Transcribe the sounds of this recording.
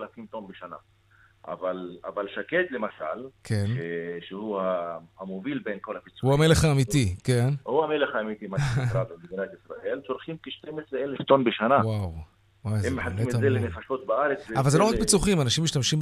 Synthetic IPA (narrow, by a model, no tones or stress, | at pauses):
alakimt̪onbeʃana̰ | ʔa̰vala̰valʃaket̪lemaʃa̰lkʰenʃeʃehuhahamovilbenkolapit͡suhuameleχaːmit̪ikenhuameleχaːmit̪imakɾabemeɡinat̪isɾaʔelt͡soɾχimkeʃt̪emesɾeeleft̪onbeʃanawaw | wajzemːeħaemzelenefaʃot̪̚baaɾet͡szeavalzeloak̚pit͡suχimanaʃimːiʃt̪amʃim